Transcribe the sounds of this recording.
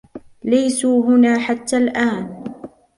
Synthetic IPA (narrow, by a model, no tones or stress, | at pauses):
lajsuːɦʊnaːħat̪ːaːlʔaːn